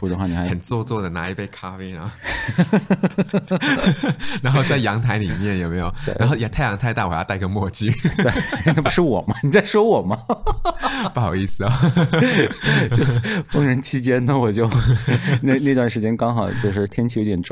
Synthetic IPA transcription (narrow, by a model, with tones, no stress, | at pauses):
pu˧˥˩ə˧xwa˥˩ni˨˩xa˧˥ɪxə˨˩nt͡swɔ˥˧t͡swɔ˥˩d̪ə˩na̰˧˥i˧˥pe˥˩ɪkʰa˥fe˥na˧˥˧ | na˧˥nxo˥˧ʊt͡sa˥˩ɪjɑ˧˥ŋt̪ʰa˧˥ɪli˨˩mjɛ˥˩njo˨˩ʊme˧˥ɪjo˨˩ʊḛ˥˧˩a˧˥nxo˥˧ʊja˧˥t̪ʰɪjɑ˧˥ŋt̪ʰɪt̪a˥˩wɔ˨˩j̰̪a˥˩ɪ˧˥ɡə˧mwɔ˥˧t͡ɕi˥e˥˧˩na˥˩pu˧˥ʂwɔ˨˩mɐ˦ni˨˩t͡sa˥˩ɪʂwɔ˥wɔ˨˩mɐ˦ | pu˥˩xjɑ˨˩ʊi˥˩sɹ̩˩ɔ˧˩ | t͡ɕo˥˧ʊfɤ˥ŋɻə˧˥nt͡ɕʰi˥t͡ɕjɛ˥nnə˨wɔ˨˩t͡ɕjo˥˩˧ʊne˥˧ɪne˥˧ɪ˧t̪wa˥˩nʂɻ̩˧˥t͡ɕjɛ˥nkɑ˥ŋxɑ˨˩ʊt͡ɕjo˥˧ʊʂ̬ɻ̩˥˩t̪ʰjɛ˥nt͡ɕʰi˥˩jo˧˥jɛ˨˩n˥